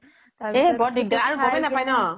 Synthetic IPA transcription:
ebɔdiɡ̚daaɹuɔbajnapajnɔ

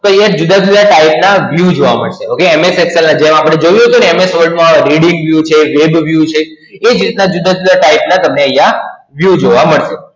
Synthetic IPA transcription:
t̪ojɛd͡ʒud̪ad͡ʒud̪ʱaʈaip̚naʋjud͡ʒoʋaməɭʃeokeɛmesɛksəlnãd͡ʒemapəɽed͡ʒoʋjũɦət̪uneɛmesʋəɾɖmãɾiɽiŋɡʋjut͡ʃʰeʋebʋjut͡ʃʰe | ed͡ʒɾit̪nad͡ʒud̪ad͡ʒud̪ʱaʈaip̚nat̪əmneəɦjaʋjud͡ʒoʋaməɭʃe

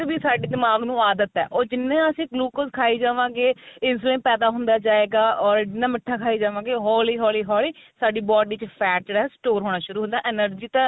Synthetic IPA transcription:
biːsaːɖiːd̪ɪmaːɡnũːaːd̪ət̪ɛ̰ːʔoːd͡ʒɪnːẽːəsĩːɡluːkoskʰaːiːd͡ʒaːʋãːɡeːɪnsuːlẽːnpɛːd̪aːɦʊ̃nd̪aːd͡ʒaːeːɡaːɔːɾd͡ʒɪnːãːməʈʰːaːkʰaːiːd͡ʒaːʋãːɡeːɦɔːliːɦɔːliːɦɔːliːsaːɖiːbɔːɖiːt͡ʃpʰɛːʈɽɛːsʈoːɾɦoːɽ̃aːʃʊɾuːɦʊ̃nd̪aːʔɪnəɾd͡ʒiːt̪ãː

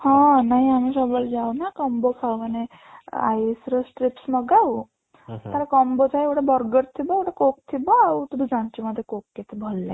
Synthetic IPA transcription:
hãnaɦiamisəbəld͡zawnakəmbokʰawməɽ̃e | a̰isɾəsʈɾipsməɡaʋu | t̪aɾakəmbot͡saekɽabəɾɡəɾt̪ʰibaekɽakok̚t̪ʰibat̪ud̪ud͡zaɳt͡ɕiməd̪ʱjekokket̪ebʱolːa

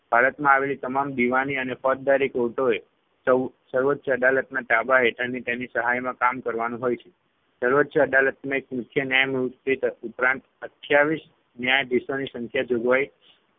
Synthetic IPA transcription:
b̥ʱaɾət̪mãaʋelit̪əmamd̪iʋaniənefɔt̪̚d̪aɾikoʈoe | sə | səɾʋət̪ːʃəd̪alət̪naʈabaɦeʈʰəɾnit̪enisəɦajmãkamkəɾʋanũɦojt͡ʃʰe̥ | səɾʋət̪ːʃəd̪alət̪mãekmʊkʰːjənjajmuit̪upɾãnt̪ət̪ʰjaʋiʃ | njajd̪isonisə̃ŋkʰjad͡ʒoɡʋaj

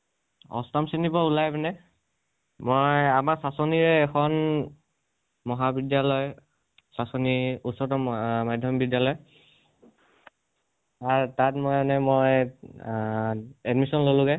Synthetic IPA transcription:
ɔ̰stamsenibɔulajbɛnɛ | mojamaɹsasɔniɹɛːkʰɔn | mɔɦabidjalɔj | sasɔniutsɔɹtɔmajdʱjɔmbidjalɔj | aɹtatmɔjanɛmoj | ɛdmisɔnlolʊɡɛ

